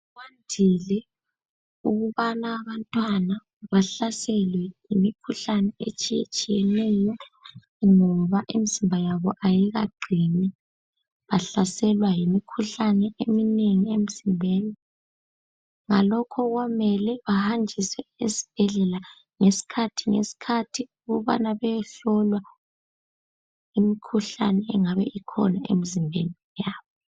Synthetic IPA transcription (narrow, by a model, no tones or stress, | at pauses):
wandʱilɛ | uɣuβanaːβantʼwana | βaɬasɛlwɛjimikʰuɬanɛet͡ʃʼijḛt͡ʃʼijɛnɛjɔ | ŋɔβaʔimiz̥imbʱajaβɔʔajɛɣa̰ɡ͡ǀʱinɛ | βaɬasɛlwajimikʰuɬanɛʔemineŋiemiz̥imbʱɛːli | ŋalɔkʰɔɣwamɛlɛβahand͡ʒʱisɛesi̥b̥ʱɛɮɛla | ŋesi̥kʰatʰiŋḛsi̥kʰatʰiuɣɔβa̰naβɛjɛɬɔlwa | imikʰuɬanɛɛŋaβɛ̰ʔikʰɔ̰naḛmizimbʱenijaːβɔ